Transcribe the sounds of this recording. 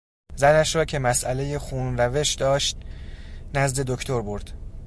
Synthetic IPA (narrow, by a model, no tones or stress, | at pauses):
zænæʃɾɒːcʰe̞mæsʔæleje̞xuːnræve̞ʃd̪ɒːʃt̪̚ | næzd̪e̞d̪okʰt̪ʰo̞ɾbo̞ɾd̪̥